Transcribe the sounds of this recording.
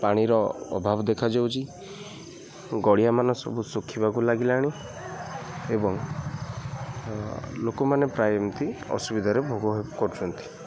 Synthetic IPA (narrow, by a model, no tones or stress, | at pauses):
paɽ̃iɾɔɔ̰bʱabɔd̪ekʰad͡ʒawt͡ʃʰi | ɡɔɽijamanɔsɔ̰busukʰːibakulaɡilaɽ̃i | ebɔŋ | lokɔmanepɾajɔmt̪iɔ̰subid̪ʱaɾebʱoɡɔɦepkɔɾut͡ʃʰɔnt̪i̥